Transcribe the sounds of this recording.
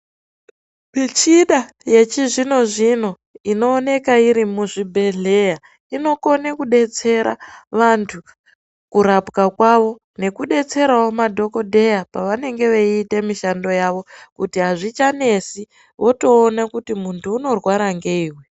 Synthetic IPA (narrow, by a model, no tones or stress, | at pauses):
mit͡ʃiɗa | je̞t͡ʃiʐino̞ʐino̞ | ino̞ːne̞kaiɾimuʐibʱe̞ɮe̞ja | ino̞ko̞nekuɗe̞t͡se̞ɾa̰ʋantʰu | kuɾapkakwaʋo̞ | ne̞kuɗe̞t͡se̞ɾaomadʱo̞ko̞dʱe̞japaʋane̞ŋɡe̞ʋeiːte̞miʃando̞jaʋo̞kutiɦaʐit͡ʃane̞si | ʋo̞to̞ːnakutimuntʰuːno̞rwaɾaŋɡe̞iːwe